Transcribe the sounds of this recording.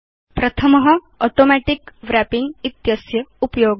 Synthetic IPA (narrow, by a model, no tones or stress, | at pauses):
pɾɐt̪ʰɐmɐɦɐ | ɔʈoːmæʈikʋɾæpiŋɡit̪jɐsjɐupɐjoːɡ